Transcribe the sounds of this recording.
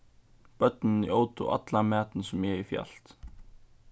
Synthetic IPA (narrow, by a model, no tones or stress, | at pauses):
pœt̪nɪnioːwt̪ṵʔa̰t̪lamɛːt̪nsɛmjɛɣifja̰l̥t̪